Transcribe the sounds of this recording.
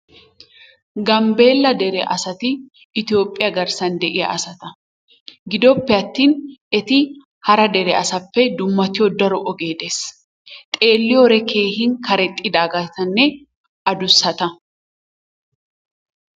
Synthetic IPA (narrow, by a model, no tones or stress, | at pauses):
ɡɐmbe̞ːlːɐd̪ɛɾɛʔɐsɐt̪ɪː | t̪ɪoːpʼːɪjɐɡɐɾsɐnd̪ɛʔɪjɐ̰ʔɐsɐt̪ɐ | ɡɪd̪ɔpːɛɐt̪ːiːnɛt̪ɪ | hɐɾɐd̪ɛɾɛɐsɐpːɛd̪ʊmːɐt̪ɪjɔd̪ɐɾɔʔɔɡe̞ːd̪eːs | t̪ʼe̞ːlːɪjɔɾɛkʰe̞ːhɪnkɐɾɛt̪ʼːɪd̪aːɡɐjt̪ɐnːɛ | ʔɐd̪ʊsːɐt̪ɐ